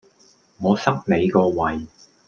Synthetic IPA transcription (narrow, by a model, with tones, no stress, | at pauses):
ŋɔː˨˧sɐ˥k̚ne˨˧jkɔː˧wɐ˨j